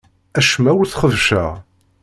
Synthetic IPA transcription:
æʃmæwθχəvʃæ̰ʁ

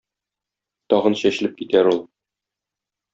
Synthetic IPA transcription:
t̪ɒʁɤnɕæɕɘ̆lɘp̚kit̪æɾulˠ

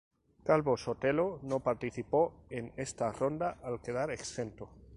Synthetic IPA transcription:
kalβosot̪elonopaɾt̪iθipo̞enest̪arond̪aʔalke̞ðaɾeksθent̪o

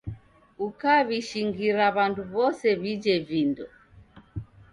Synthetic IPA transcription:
ukaβiʃiŋɡiɾaβanduβɔsɛβid͡ʒɛvindɔ

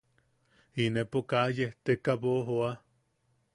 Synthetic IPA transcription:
inepokajeht̪ekaβoɦoa

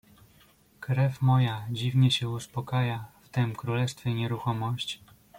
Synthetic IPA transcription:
kɾɛfmɔjad͡ʑivɲɛɕɛuspɔkajaft̪ɛmkɾulɛst̪fʲjɛiɲɛɾuxɔmɔɕt͡ɕ

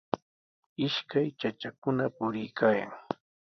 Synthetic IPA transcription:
ɪʃkajt͡ʃat͡ʃakʊnapʊɾɪjkʰaːja̰ŋ

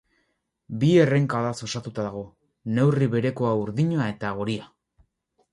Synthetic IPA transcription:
bie̞re̞ŋkaðaso̞sat̪ut̪aðaɣ̞o̞ | ne̞wriβe̞ɾe̞ko̞auɾðiɲoae̞t̪aɣ̞o̞ɾia

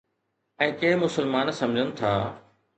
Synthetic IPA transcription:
ɛ̃ːkẽɦmʊsəlmaːnsɐ̃md͡ʑʱənɪ̆t̪ʰaː

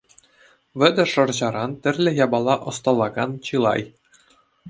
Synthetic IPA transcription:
ʋʲɘ̆d̪ʲɘ̆ʂɤ̆rʑɑɾɑnt̪ʲɘ̆rʲlʲɘ̆jɑbɑlˠːɑʔŏst̪ɑlˠːɑɡɑnt͡ɕɯlˠɑ̰j

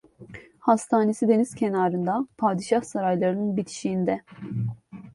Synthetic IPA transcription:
hast̪ʰaːne̞sid̪e̞niz̥cʰenaːɾɯnd̪apʰaːd̪iʃahsaɾajlˠaɾɯnɯnbit̪ʰi̥ʃiːnd̪ɛ

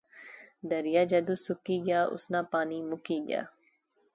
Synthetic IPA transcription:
d̪əɾɪjaːd͡ʒɐd̪uːsʊkiːɡjaːʔʊ̰snãːpaːniːmʊkiːɡɪja̰ː

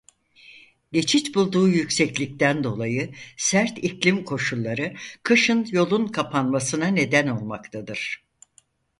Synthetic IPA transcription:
ɟe̞t͡ʃʰit͡ʃbulˠd̪uːjycsɛclʲic̚t̪ænd̪o̞lˠajɯsæɾt̪iclʲimkʰo̞ʃulˠːaɾɯkʰɯʃɯnjo̞lˠunkʰapʰanmasɯnane̞d̪æno̞lˠma̰kt̪ʰad̪ɯɾ̥

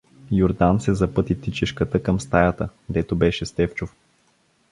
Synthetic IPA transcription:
joɾd̪ansɛzɐpɤt̪it̪it͡ʃiʃkət̪əkəmst̪ajət̪əd̪ɛt̪obɛʃɛst̪ɛft͡ʃof

